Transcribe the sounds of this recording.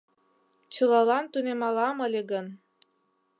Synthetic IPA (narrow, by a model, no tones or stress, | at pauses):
t͡ɕɤlɑlɑnt̪unemɑlɑmɤəlʲeɣən